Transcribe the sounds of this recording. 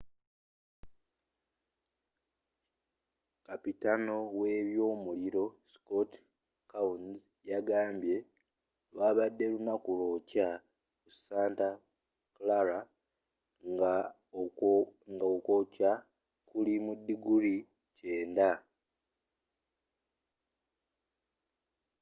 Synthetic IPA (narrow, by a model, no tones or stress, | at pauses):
kapitano̞we̞ːβjo̞ːmuliɾo̞skot | kaun | jaɡaːmbje̞ | lwaːβadːe̞lunakulo̞ːca | kusaːnta | klaɾa | ŋɡokoca | kulimudːiɡuli | ce̞ːnda